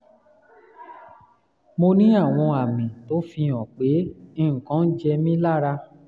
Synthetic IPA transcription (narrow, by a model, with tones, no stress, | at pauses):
mo˧nĩ˦a˦˨w̃ɔ̃˧a˨mĩ˨to˨˦fĩ˧ɔ̃˨k͡pe˨˦ĩ˦˨kã˨˦n̩˦d͡ʒɛ˧mĩ˦la˦˨ɾa˧